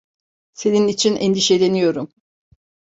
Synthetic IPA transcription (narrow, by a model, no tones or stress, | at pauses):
se̞ninit͡ʃʰinɛnd̪iʃelʲenijo̞ɾum